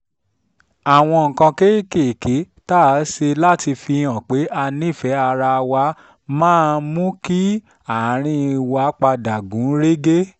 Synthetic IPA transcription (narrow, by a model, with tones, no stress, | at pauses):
a˨w̃ɔ̃˧ŋ̩˨kã˧ke˦ke˦˨ke˨˦ | ta˦˨˦ʃe˧la˦ti˧fĩ˧ã˨k͡pe˨˦ʔa˧nĩ˦˨fɛ˨˦a˧ɾa˧wa˧ | mãː˦˨˧mũ˦ki˦ | a˨˦ɾ̃ĩ˧wa˧˦k͡pa˧da˨ɡũ˨˦ɾe˦ɡe˦